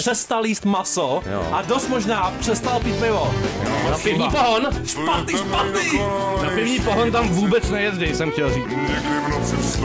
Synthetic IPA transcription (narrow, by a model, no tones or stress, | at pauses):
r̥ɛst̪aljiːst̪maso̰ʔadost̪moʒnaːpr̥ɛst̪alpiːt̪̚pɪvonapɪvɲiːpoɦonʃpat̪̚niːʃpat̪niːnapɪvɲiːpoɦont̪amvuːbɛt͡snɛjɛzdɪsɛmxcɛlriːt͡s